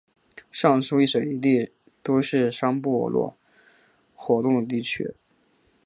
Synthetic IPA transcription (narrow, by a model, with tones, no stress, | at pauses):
ʂɑ˥˩ŋʂu˥i˥˩ʂə˨˩i˧˥t̪i˥˩ | t̪o˥ʊʂɻ̩˥˩ʂɑ˥ŋpu˥˩ɔ̰˧˥lwɔ̰˥˩ | xwɔ˧˥t̪ʊ˥˩ŋd̪ə˩t̪̬i˥˩t͡ɕʰy̰˥